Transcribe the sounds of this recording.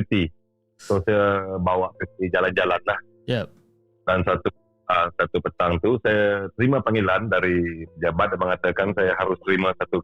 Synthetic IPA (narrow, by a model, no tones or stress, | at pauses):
it̪i | t̪osajabawaʔkət̪id͡ʒaland͡ʒalanlah | j | dansat̪u | əsat̪upət̪aŋt̪usajat̪əɾimapəŋelandaɾipəd͡ʒabat̪̚anməŋat̪akansajaɦaɾʊst̪əɾimasat̪u